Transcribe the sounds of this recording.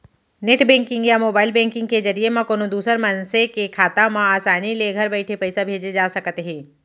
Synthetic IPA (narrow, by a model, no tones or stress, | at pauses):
neʈbɛ̃ːŋkɪ̃ŋɡjamoːbaːɪlbɛ̃ːŋkɪ̃ŋɡ̚kezɐɾiemãkoːnod̪uːsəɾmɐnsekekʰaːt̪amãaːsaːnileɡʱɐɾbɛɪʈʰepɐɪsabʱeːd͡ʒed͡ʒaːsɐkt̪eɦɛ̃ː